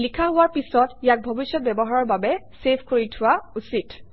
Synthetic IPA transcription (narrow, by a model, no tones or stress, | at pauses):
likʰaɦʊwaɹpisɔtjak̚bʱobisjɔt̚bɛbɔɦaɹɔɹbabɛsepʰkoɹitʰʊwausit